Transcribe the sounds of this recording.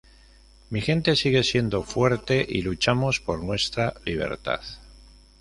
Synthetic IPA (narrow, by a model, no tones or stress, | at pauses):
mixe̞nt̪e̞siɣe̞sje̞nd̪o̞fwe̞ɾt̪e̞ʔilut͡ʃamo̞spo̞ɾnwe̞st̪ɾaliβ̞e̞̰ɾt̪a̰θ